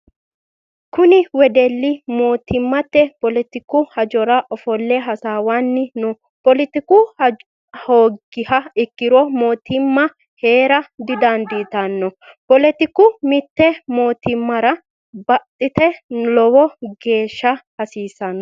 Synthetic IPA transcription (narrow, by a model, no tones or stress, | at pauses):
kʊnɪwɛd̪ɛlːɪmo̞ːt̪ɪmːɐt̪ːɛpɔlɛt̪ɪkːʊhɐd͡ʒɔɾɐʔɔfɔlːɛɦɐsaːwanːɪnʊ | pɔlɪt̪ɪkʊ | hoːɡɪhɐɪkːɪɾɔmoːt̪ɪmːɐ | he̞ːɾɐd̪ɪd̪ɐnd̪iːt̪ɐnːɔpɔlɛt̪ɪkːʊmɪt̪ːɛmo̞ːt̪ɪmːɐɾɐ | bɐt̪ʼːɪt̪ɛlɔwɔɡe̞ːʃːɐhɐsiːsɐnːɔ